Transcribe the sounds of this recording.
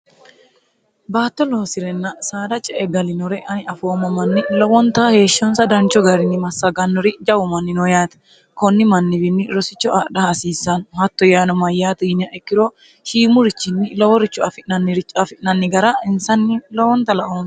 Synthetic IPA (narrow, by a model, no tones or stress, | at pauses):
baːt̪ːɔlo̞ːsɪɾɛnːɐsaːd̪ɐt͡ʃʼɛʔɛɡ̪ɐlɪnɔɾɛʔɐnɪɐfoːmɐmɐnːɪlɔwɔnt̪ɐhe̞ːʃːɔnsɐd̪ɐnt͡ʃːɔɡɐɾɪnɪmɐsːɐɡɐnːɔɾɪd͡ʒɐwʊmɐnːɪnɔjaːt̪ɐ̥ | kɔnːɪmɐnːɪbɪnːɪɾɔsɪt͡ʃːɔʔaːɗɐhɐsiːsːɐnhɐt̪ːɔjaːnɔmɐjːaːt̪ɪnɪɐʔɛkːɪɾɔ | ʃiːmʊɾɪt͡ʃːɪnːɪlɔwɔɾɪt͡ʃːɔɐfɪʔnɐnːɪɾɪt͡ʃʼːɐfɪʔnɐnːɪɡɐɾɐɪnsɐnːɪlɔwɔnt̪ɐlɐʔons